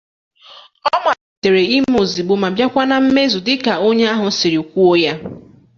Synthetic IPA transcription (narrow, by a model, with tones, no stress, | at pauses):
ɔ˦m˦a˨i˨te˨ɾe˨i˦mm˦o˨zi˨ɡ͡bʊ˨ma˨bja˦kʷa˦na˨m̩˦me˦zu˨dɪ˦ka˨o˦ɲe˦a˦ɦʊ˨˦sɪ˨ɾi˨o˨kʷu˦o˦ja˦